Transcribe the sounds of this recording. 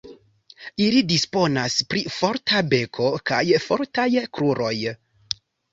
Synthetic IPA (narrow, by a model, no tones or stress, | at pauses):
ilidispo̞naspɾifo̞ɾtʰabe̞kʰo̞kajfo̞̰ɾtajkɾuɾo̞j